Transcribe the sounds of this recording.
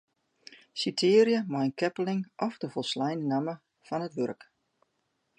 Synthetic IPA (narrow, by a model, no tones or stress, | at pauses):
sitʰɪːɾjəmajnkʰɛpəlɪŋʔɔfdəfɔlˠslɛjnənamə | fɔnɦətʋørk